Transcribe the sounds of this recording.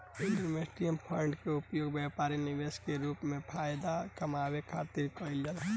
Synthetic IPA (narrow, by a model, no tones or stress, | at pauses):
ɪ̃nd̪ɾmeʈijəmpʰɔːɪ̃ɳʈkeʊpjoːɡbjɛːpaːɾinɪʋeːskeɾuːpmẽpʰaːjd̪akɐmaːwekʰaːt̪iɾkəild͡ʒəlɦ